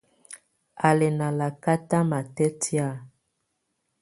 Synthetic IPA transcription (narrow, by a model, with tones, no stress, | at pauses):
a˨le˨na˨la˨ka˦ta˦ma˨tɛ˦ti˦a˦˨